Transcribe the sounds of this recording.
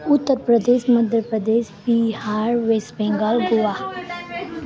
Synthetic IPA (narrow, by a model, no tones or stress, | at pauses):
ʊt̪ːəɾpɾəd̪eːʃməd̪jəɾpɾəd̪eːʃbihaːɾʋesbɛ̃ŋɡəlɡuʋaː